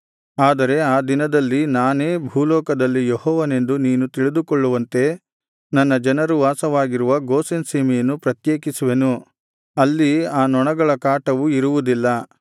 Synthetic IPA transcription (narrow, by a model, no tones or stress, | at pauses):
aːd̪ɐɾe̞aːd̪inɐd̪ɐlːinaːne̞ːbʱuːlɔːkɐd̪ɐlːijehɔːʋɐne̞nd̪uniːnut̪iɭid̪ukɔɭːuʋɐnt̪e̞ | nɐnːɐd͡ʒɐnɐɾuʋaːsɐʋaːɡiɾuʋɐɡoːsensiːmɛjɐnːupɾɐt̪jeːkisuʋe̞nu | ɐlːiaːnɔɳɐɡɐɭɐkaːʈɐʋuiɾuʋud̪ilːɐ